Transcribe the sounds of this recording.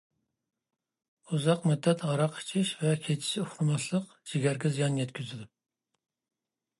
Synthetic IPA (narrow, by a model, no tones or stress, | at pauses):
uzɑqmyd̪ːɛt̪ʁɑɾɑqʰi̥t͡ʃʰiʃvɛkʲʰet͡ʃʰi̥ʃuχɾɨmɑʃlˠəq | d͡ʒiɡʲæɾɡʲɛzijɑnjɛt̪kʲyzɪd̪u